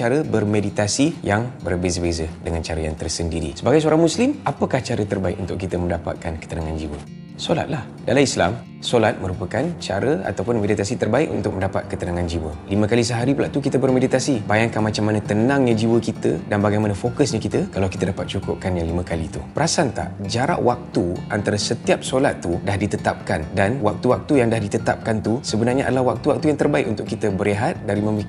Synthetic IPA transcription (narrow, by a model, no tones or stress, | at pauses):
t͡ʃaɾəbərmedit̪asijaŋbərbezəbezədəŋant͡ʃaɾəjaŋt̪ərsəndiɾḭsəbaɡajsəoɾaŋmuslimapəkaht͡ʃaɾət̪ərbaɪk̚unt̪ʊkit̪əmə̃ndapa̰t̪̚kankə̥t̪ənaŋand͡ʒiwə̰ | sola̰t̪̚lah | dalaislam | solat̪̚mə̃ɾupəkant͡ʃa̰ɾəa̰t̪awpʊnmedit̪asit̪ərbaɪk̚ṵnt̪ʊk̚məndapa̰t̪̚kət̪ənaŋand͡ʒiwə̰limə̃kalis̬əɦaɾipula̰ʔt̪ukit̪əbərmedit̪asibajaŋkanmat͡ʃamːanə̃t̪ənãŋɲad͡ʒiwəkit̪ədanbaɡajmanəfokəsɲakit̪əkalawki̥t̪ədapat̪̚t͡ʃukʊ̰p̚kanjaŋlimə̃kalit̪ṵpəɾasant̪a̰ʔd͡ʒaɾa̰ʔwak̚t̪uant̪aɾasət̪iap̚solat̪ːudahdit̪ət̪ap̚kandanwak̚t̪uwak̚t̪ujaŋdahdit̪ət̪ap̚kant̪usəbənarɲaʔa̰dalahwak̚t̪uwak̚t̪ujaŋt̪ərbaɪkunt̪ʊkːit̪əbəɾeɦat̪̚daɾimə̃mik